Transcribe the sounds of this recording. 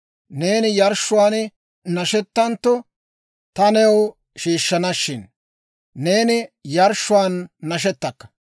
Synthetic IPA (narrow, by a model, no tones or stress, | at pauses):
ne̞ːnɪjɐɾʃːʊwaːn | nɐʃɛt̪ːɐnt̪ːɔ | t̪ɐnɛw | ʃiːʃːɐnɐʃːɪnː | e̞ːnɪjɐɾʃːʊwaːnːɐʃ̬ɛt̪ːɐkːɐ̥